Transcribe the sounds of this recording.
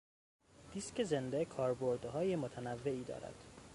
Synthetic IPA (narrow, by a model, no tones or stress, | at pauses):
d̪̥isce̞ze̞nd̪ekʰɒːɾboɾd̪ɦɒːjemot̪ʰænævːe̞iːd̪ɒ̰ːɾæ̰d̪̥